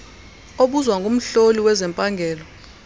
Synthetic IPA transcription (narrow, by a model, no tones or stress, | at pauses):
oɓuzwaŋɡʱum̩ɬoliwɛzɛmpʼaŋɡʱɛːlɔ